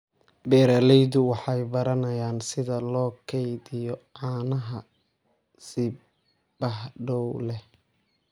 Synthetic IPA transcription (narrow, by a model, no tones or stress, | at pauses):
bɛːɾɐlɛjðʊwɑħɑjbɐɾɐnɐjaːnsɪðɐlɔːkʰɛjðɪjɔʕɑːnɐɦɐ | sɪ | bɐɦɖɔwlɛh